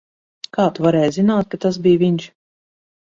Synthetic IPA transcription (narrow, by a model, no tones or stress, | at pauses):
kaːt̪uvaɾɛːjzinaːt̪̚kat̪as̬bijvʲiɲʲt͡ʃ